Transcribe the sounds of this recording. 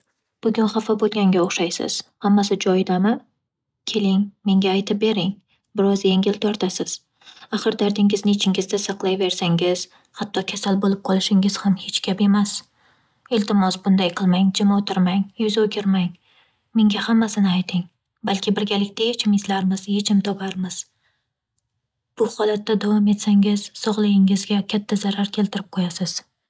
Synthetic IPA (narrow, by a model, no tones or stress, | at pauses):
b̥ʊɡʲʊnχafabolˠɡʲaŋɡʲaoχʃajsɪ̰z̥hamːasɪd͡ʒɒjd̪amɪ | kʲʰe̞lɪŋme̞ŋɡʲaːjt̪ʰɪp̚be̞ɾɪŋ | bɪɾɒzjeŋɡʲɪlt̪ʰɒɾt̪ʰasɪz̥ | aχɨɾd̪aɾd̪ɪŋʲɪznɪt͡ʃʰɪŋɡʲɪzd̪asɨqlˠajve̞ɾsaŋɪz̥ | hat̪ʰːɒkʲʰasalbolˠɪp̚qʰɒlˠɪʃɪŋɪz̥hamhe̞t͡ʃkʲʰape̞mas | elt̪ʰɪmɒsbʊnd̪ajqʰɨlˠmaŋd͡ʒɪmaot̪ʰɪɾmaŋjʊzokʲʰɪɾmaŋ | me̞ŋɡʲahamːasɪnɪajt̪ʰɪŋ | balkʲʰɪbɪɾɡʲalɪkʲt̪ajet͡ʃʰɪmɪzlaɾmɪzje̞t͡ʃʰɪmt̪ʰɒpʰaɾmɪz̥ | b̥ʊχɒlˠat̪ːad̪avɒme̞t̪saŋɪz̥sɒʁlˠajɪŋɪzɡʲakʲʰat̪ʰːazaɾaɾkʲʰe̞lt̪ʰɪɾɪp̚qʰojasɪz̥